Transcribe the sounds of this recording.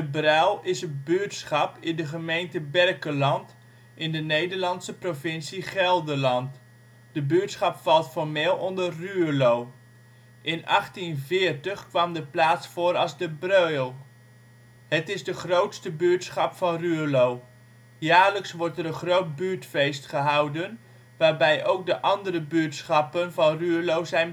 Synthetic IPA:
dəbrœlˠɪsənbyətsχɑpɪndəχəmejntəbɛrkəlɑnt | ʔɪndənejdəɹlɑntsəprovɪnsiχɛlˠdəlɑnt | d̥əbyətsχɑpfɑlˠtfɔɹmeːlˠɔndərːylow | ʔɪnɑ̰χtinvɪːɹtəχkʋɑmdəplaːtsfʊːɾɑlˠzdəbrøɥlˠ | hətɪzdəχrowtstəbyətsχɑpfɑnryːlow | jaːɹləksʋɔɹtɛɾənχrowt̚byːɹtfejstχəɦɑwdən | ʋaːɹbɛjʔowk̚dəʔɑndərəbytsχɑpənvɑnryəlowzɛjn

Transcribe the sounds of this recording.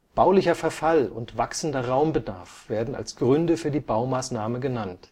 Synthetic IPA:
b̥aʊlɪçɐfɛɐfalʊntv̥aksn̩dɐʁaʊmbəda̰ɐfv̥eːɐdn̩a̰lsɡ̥ʁʏndəfyːɐdiːbaʊmaːsnaːməɡənant

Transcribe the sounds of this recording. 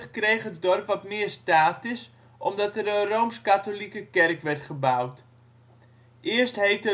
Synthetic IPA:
χkrejχɦətdɔrpʋɔtmɪːərstaːtɪs | ʔɔmdɑtəɾənrowmskatolikəkɛrkʋɛrtχəbawt | ʔɪərstɦejtə

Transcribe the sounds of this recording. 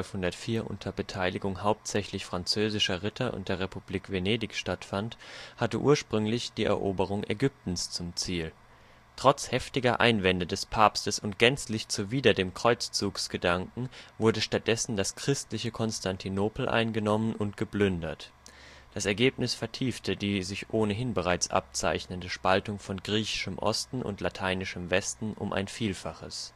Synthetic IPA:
lfhʊndɐtfiːɐʔʊ̰ntʰɐbətʰaɪlɪɡʊŋhaʊp̚tz̥ɛçlɪçfʁ̥ant͡søːzɪʃɐʁɪtʰɐʔʊ̰nt̚d̥eːɐʁ̞epub̥liːkv̥eneːdɪçʃtatfanthatəʔṵːɐʃpʁ̥ʏŋlɪçd̥iːʔɛ̰ɐʔoːbəʁ̞ʊŋʔḛɡʏp̚tn̩st͡sʊmt͡siːl | tʁ̥ɔt͡shɛftɪɡɐʔa̰ɪnvɛndədɛspʰaːpstəsʊnt̚ɡ̥ɛnt͡slɪçt͡suviːdɐdeːmkʁ̥ɔʏt͡st͡suːksɡ̥ədaŋkŋ̩vʊɐdəʃtat̚d̥ɛsn̩daskʁ̥ɪstlɪçəkʰɔnstʰantʰinoːpl̩ʔa̰ɪnɡənɔmənʊntɡ̥əblʏndɐt | d̥asɛɐɡeːpnɪsfɛɐtʰiːftʰədiːzɪçʔoːnəɦɪnbəʁ̞aɪt͡sʔa̰p̚t͡sa̰ɪçnəndəʃpaltʊŋfɔnɡʁiːçɪ̥ʃəmʔɔ̰stn̩ʊ̰ntlatʰaɪnɪʃəmvɛstn̩ʔʊ̰mʔa̰ɪnfiːlfaχəs

